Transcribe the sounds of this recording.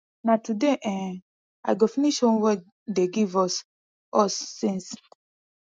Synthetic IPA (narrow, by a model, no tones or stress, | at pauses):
natudeʔɛ̃ | a̰ɡofiniʃõnwɛ | deɡivɔs | ɔsːĩns